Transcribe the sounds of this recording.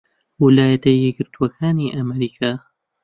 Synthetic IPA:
wɪlaːjɐt̪ɐjːɛɡɪɾt̪ʰuɐkʰaːniːʔamɛɾiːkʰaː

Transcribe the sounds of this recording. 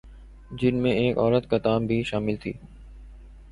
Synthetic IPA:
d͡ʑɪnmẽeːkɔːɾət̪kɐt̪aːmbʱiʃaːmɪlt̪ʰiː

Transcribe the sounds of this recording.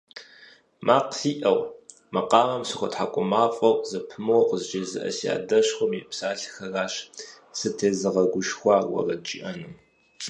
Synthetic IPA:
mʔaːqsiːʔɐw | mɐqɑːmɐmsɨxʷʊtħakʷʼʊmaːfʼɐwzɐpʰɨmɐwqəzt͡ʃʼeːzɨ̰ʔɐ̰sia̰ːdɐɕxʷʊmjɛpsaːɬxɐraːɕ | sɨtʰeːzɨʁɐɡʷʊʃxʷɑːwɐ̰rɐt͡ʃʼḭʔɐnɨm

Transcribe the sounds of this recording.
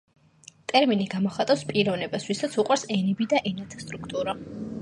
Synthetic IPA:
t̪ʼɛɾminiɡamɔχat̪ʼawspʼiɾɔnɛbasvisat̪sʰuqʼwaɾsɛnibid̪aʔɛnat̪ʰḁst̪ʼɾukʰt̪ʼuɾa

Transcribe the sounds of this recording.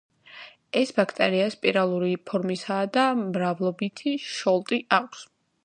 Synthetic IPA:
ɛsbakʰt̪ʼɛɾiaspʼiɾalˠuɾipʰɔɾmisaːd̪amɾavlˠɔbit̪ʰiʃɔlˠt̪ʼiʔakʷʰs

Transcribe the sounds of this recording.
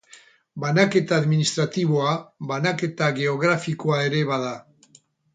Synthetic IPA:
banake̞t̪aːðminist̪ɾat̪iβo̞aβanake̞t̪aɣe̞oɣ̞ɾafikoae̞ɾe̞βað̞a

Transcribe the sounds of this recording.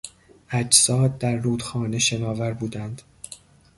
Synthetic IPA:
ʔæd͡ʒsɒːd̪̚d̪æɾːuːd̪xɒːne̞ʃe̞nɒːvæɾbuːd̪ænd̪̥

